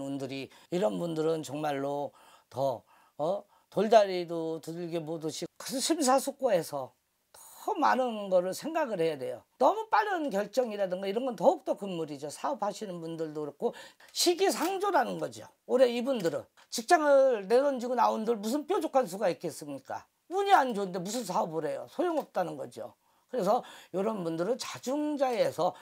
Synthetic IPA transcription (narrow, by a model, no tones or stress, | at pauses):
undɯɾiiɾʌnbundɯɾɯnt͡ɕʌŋmaɭːo | tʌ | toɭdaɾidotɯɭɡemodɯɕʰikɯɕʰims̬ʰasʰok̚k͈oe̞sʰʌ | tʌ̥manɯnɡʌɾɯɭsʰe̞ŋɡaɡɯɭhe̞jadwe̞jonʌmup͈aɾʌnkjʌɭt͡ɕ͈ʌŋiɾadɯŋɡaiɾʌnɡʌntʌuk̚t͈ʌkɯnmuɾid͡ʑosʰaʌpʰaɕʰinɯnbundɯɭdokɯɾʌkʰo | ɕʰiɡisʰaŋd͡ʑoɾanɯnɡʌd͡ʑio̰ | oɾe̞ibundɯɾɯ̰n | t͡ɕik̚t͡ɕ͈aŋɯne̞dʌnd͡ʑiɡonaondɯɭmus̬ʰɯnpʰjod͡ʑokʰans̬ʰuɡaik͈es͈ɯmɲik͈a̰ | uɲiand͡ʑoɯnde̞mus̬ʰɯnsʰaʌbɯɾe̞jo̰sʰojoŋʌp̚t͈anɯnɡʌ̰d͡ʑio̰ | kɯɾe̞sʰʌjoɾʌnbundɯɾɯnt͡ɕad͡ʑuŋd͡ʑaesʰʌ